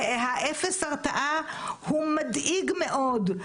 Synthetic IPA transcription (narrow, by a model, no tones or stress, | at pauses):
ɦaʔefesaʁt̪aʔahumad̪ʔiɡmeʔod̪